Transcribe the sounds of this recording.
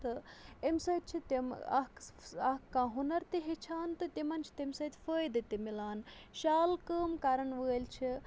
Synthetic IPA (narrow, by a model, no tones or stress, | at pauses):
t̪ɨemsɐːt̪̚t͡ʃʰit̪emɐ̰kɐkːãːɦunɐɾt̪iɦet͡ʃʰaːnt̪ɨt̪ʲimɐnt͡ʃʰi̥t̪emsɐːt̪ʰʲfəːjd̪ɨt̪imilaːnʃaːlkəːmkaɾɐɳʋəːlt͡ʃʰi